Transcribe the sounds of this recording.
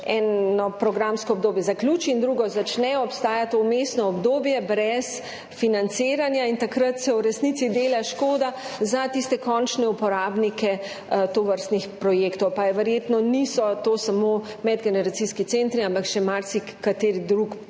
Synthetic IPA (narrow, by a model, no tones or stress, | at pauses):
ɛnɔpɾɔɡɾamskɔːb̚d̪oːbjɛzaklʲjuːt͡ʃiːnd̪ɾuɡɔzat͡ʃnɛjɔɔpst̪aːjat̪oumest̪nɔɔbd̪oːbjɛbɾɛs | finant̪seːɾanjaint̪akɾat̪sɛwɾɛsnit̪sid̪eːlaʃkoːd̪azat̪ist̪ɛkɔnt͡ʃnɛupɔɾaːbnikɛ | t̪oʋəɾst̪nixpɾɔjeːkt̪ɔwpajɛʋɛɾjet̪nɔnisɔt̪oːsamo | mɛd̪ɡɛnɛɾat̪siskit̪sent̪ɾiãmpakʃɛmaɾsi | kat̪eːɾid̪ɾuk